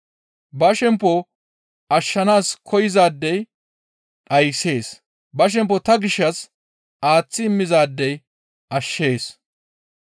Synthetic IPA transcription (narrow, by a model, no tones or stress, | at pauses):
bɐʃɛmpːɔ | ʔɐʃːɐnaːskʰɔjɪzaːd̪ːɛj | ᶑɐjse̞ːs | bɐʃ̬ɛmp̬ːɔt̪ɐɡɪʃːɐs | ʔaːt͡sːɪɪmːɪzaːd̪ːɛj | ɐʃːe̞ːs